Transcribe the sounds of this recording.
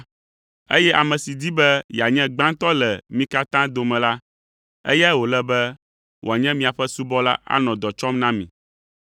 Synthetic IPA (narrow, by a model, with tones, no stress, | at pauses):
e˦jɛ˦ʔa˨mɛ̃˨si˨d̪i˦bɛ˦ja˨ɲɛ̃˦ɡ͡bã˦nt̪ɔ˦lɛ˨mĩ˦ka˦t̪ã˦d̪o˨mɛ̃˨la˦ | ḛ˦jɛ˦wo˨lɛ˦bɛ˦ | wʔo˨a˨ɲɛ̃˦mĩ˦a˨ɸɛ˦su˦bɔ˦la̰˦ʔa̰˦nɔ̃˨d̪ɔ˨t͡ʃɔ˦mnã˦mĩ˨